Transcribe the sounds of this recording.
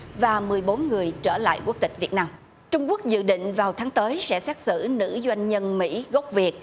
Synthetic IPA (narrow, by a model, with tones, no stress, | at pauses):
vaː˨˩mɨ˨˩əjɓo˨˦nŋɨ˨˩əjt͡ɕəː˧˩la̰ː˧˨jku˦˥ək̚t̪ï˨˩k̟̚vi˨˩ət̚naː˧m | t͡ɕʊ˧ŋ͡mku˦˥ək̚zɨ̰˧˨ɗḭ̈˧˨ŋ̟vaː˨˩wt̪ʰaː˨˦ŋt̪əː˨˦jsɛ̰˧˥sɛ˦˥t̚sɨ̰˧˩nɨ̰˧˥zwa˧jŋ̟ɲə˧nmḭ˧˥ɣo˦˥wk͡p̚vi˨˩ət̚